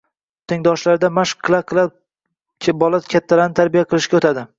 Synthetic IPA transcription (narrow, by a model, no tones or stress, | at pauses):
t̪ʰɪŋd̪ɒʃlaɾd̪amaʃqkʰːlˠaqʰɨlˠa | bɒlˠat̪kʲʰat̪ʰːalaɾnɪt̪ʰaɾbijaqʰɨlˠɪʃɡʲaot̪ʰad̪ɪ